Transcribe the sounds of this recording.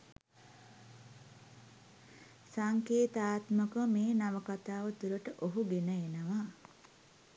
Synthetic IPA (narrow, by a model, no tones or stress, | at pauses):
saŋkeːt̪aːt̪məkəmeːnaʋəkat̪aːʋət̪uɾəʈəʔoɦuɡenəenəʋa